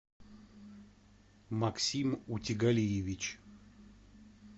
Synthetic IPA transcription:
maksʲimutʲɪɡalʲijevʲit͡ɕ

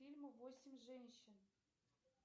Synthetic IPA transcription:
ilʲməvosʲɪmʲʐenʲɕɪ̆n

